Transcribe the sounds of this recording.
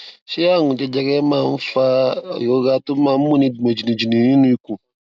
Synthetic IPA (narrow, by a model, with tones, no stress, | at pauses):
se˦a˦ŋũ˨te˦d͡ʒɛ˦ɡɛ˦mã˨ɱ̩˦fa̰˦˨jo˨˦ɡa˨to˦mã˨m˦mũ˦ni˦du˨mo˨d͡ʒi˨nĩ˨d͡ʒi˨nĩ˨ɾĩ˦nũ˦i˦kũ˨